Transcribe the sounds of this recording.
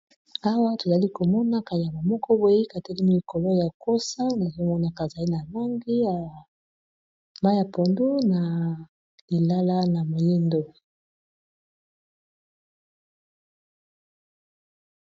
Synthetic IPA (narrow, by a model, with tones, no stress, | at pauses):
a˦wa˦to˨za˨li˦ko˨mɔ˦na˦ka˨a˨ma˨mɔ˦kɔ˦bwe˨˦i˦ka˨te˦li˦mi˦i˨ko˨lo˦ja˨ko˦sa˦na˨zo˦mɔ˦na˨ka˨za˨li˦na˨lo˦ŋɡi˦ja˨ | ma˦ja˨po˨ndu˦na˨ | li˨la˦la˦na˨mo˨je˦ndo˦˨